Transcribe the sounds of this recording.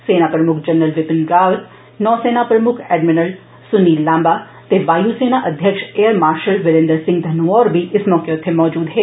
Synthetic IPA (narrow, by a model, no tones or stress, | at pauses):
seːnapɾɐmʊkʰd͡ʒɐnːəlʋɪpɪnɡaːʋɾ | nɔːseːnapɾɐmʊkʰɛːɖmɪnəl | sʊniːlãːmba | t̪eʋaːjuseːnaʔɐd̪ʱjəkʃeːəɾmaːɾʃəlʋɪɾɪ̃nd̪əɾsɪ̃ŋɡd̪ʱɐnʋɔːɾbʱiɪsmɔːkeʊt̪ʰːemɔːd͡ʒuːd̪ɦeː